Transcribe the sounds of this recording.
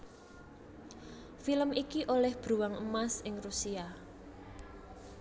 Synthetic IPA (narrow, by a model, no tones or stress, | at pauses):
filəmikiʔolɛhb̥ɾuwaŋəmasɪŋrusia